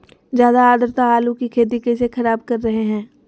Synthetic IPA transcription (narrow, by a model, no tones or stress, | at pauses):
zjaːd̪aaːd̪əɾt̪aaːlukikʰeːt̪̬ikes̬exʰɐɾaːbkɐɾːɐɦeɦɛ̃ː